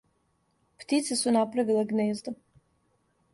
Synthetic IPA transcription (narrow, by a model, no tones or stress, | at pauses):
pt̪it̪sɛsunapɾavileɡneːzd̪o